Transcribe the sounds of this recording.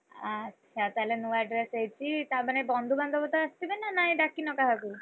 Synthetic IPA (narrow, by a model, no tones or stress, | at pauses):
ətːʃʰat̪alenuaɖɾesejt͡ʃʰit̪abanebɔnd̪ʱuband̪ʱɔbɔt̪aəst̪ibenanaɦjɖakinɔkaɦabil